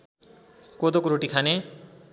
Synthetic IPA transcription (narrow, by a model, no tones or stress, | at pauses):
kod̪okɾoʈikʰane